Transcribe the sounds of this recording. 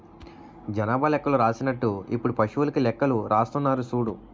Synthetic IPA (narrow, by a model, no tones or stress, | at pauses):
d͡ʒɐnaːbʱɐlɛkːɐluɾaːsinɐʈːuipːuɽupɐʂuʋulɐkilɛkːɐluɾʔaːst̪unːaːɾusuːɽu